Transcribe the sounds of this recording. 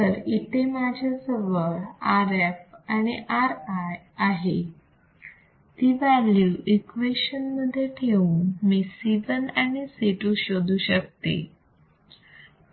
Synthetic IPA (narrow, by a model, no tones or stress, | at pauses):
əɾit̪emad͡ʑʱesəʋəɾaɾefañiʔaɾaj | aɦe | t̪iːʋaljuʔikʋeɕənməd̪ʱːjeʈʰeuːnmiːsiʋənañiseʈuɕod̪uːɕəkt̪ḛ